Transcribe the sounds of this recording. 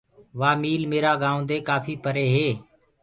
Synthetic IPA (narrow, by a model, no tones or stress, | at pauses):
ʋaːmiːlmeːɾaːɡãːd̪eːkaːpʰiːpəɾeːɦeː